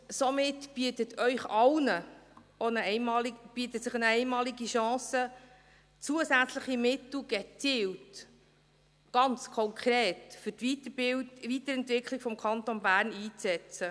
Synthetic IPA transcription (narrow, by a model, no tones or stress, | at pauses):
sɔmɪtb̥iətət̪ʰœʏχɑlnə | onəɛmɑːlib̥iːt̪əsəχnəɛɪmɑːliɡiʃɑ̃ːsə | t͡suəsæt͡sləχimɪt̪l̩ˠɡɛt͡siːlt | ɡ̥ɑnt͡skʰɔŋkʰɾɛːtfʏtitəbɪvit̪əɾɛntvɪkχlɪɡ̥fɔmkʰɑntonbæːɾniːt͡sɛt͡sə